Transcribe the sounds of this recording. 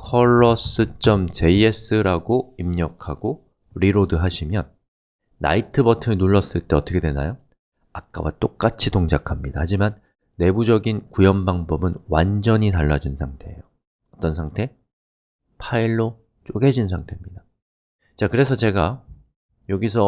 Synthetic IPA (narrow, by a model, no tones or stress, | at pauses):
kʰʌɭːʌs͈ɯt͡ɕ͈ʌmt͡ɕe̞ie̞s͈ʰɯɾaɡoimɲʌkʰaɡo | ɾiɾodɯɦaɕʰimjʌnː | a̰itʰɯbʌtʰɯɯnuɭːʌs͈ɯɭt͈eʌt͈ʌkʰe̞dwe̞na̰jo | ak̚k͈a̰wat͈ok͈at͡ɕʰitoŋd͡ʑakʰamɲidahad͡ʑimanː | e̞bud͡ʑʌɡinkujʌmbaŋbʌbɯnwand͡ʑʌɲitaɭːad͡ʑunsʰaŋtʰe̞ḛjo | ʌt͈ʌnsʰaŋtʰe̞ | pʰaiɭːo | t͡ɕ͈oɡe̞d͡ʑins̬ʰaŋtʰe̞mɲida | t͡ɕakɯɾe̞s̬ʰʌt͡ɕe̞ɡa | joɡisʰʌ